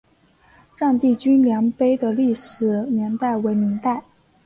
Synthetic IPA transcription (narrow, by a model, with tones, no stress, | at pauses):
ʈ͡ʂɑ˥˧ŋt̪i˥˩t͡ɕy˥nljɑ˧˥ŋpe˥ɪd̪ə˨li˥˩ʂɻ̩˨˩njɛ˧˥nt̪a˥˩ɪwe˧˥ɪmi˧˥ŋt̪a˥˩ɪ